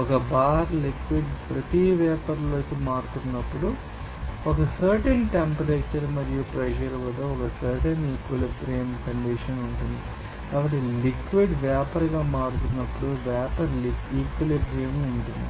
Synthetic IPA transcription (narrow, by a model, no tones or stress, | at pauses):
ɔkɐbaːɾlikʋiɖpɾɐt̪iʋɛːpɐɾlo̞ːkimaːɽut̪unːɐpːuɽu | ɔkɐsɐːɾʈɐnʈempɐɾeːt͡ʃɐɾmɐɾijupɾeʃ̬ɐɾʋɐd̪oːɔkɐsɐɾʈɐniːkʋilipɾeːmkɐɳɖiʂɐnuɳʈund̪i | kaːbɐʈːilikʋiɖʋjaːpɐɾɡaːmaːɽut̪unːɐpːuɽuʋaːpɐɾlikiːkʋilibeːmiuɳʈund̪ḭ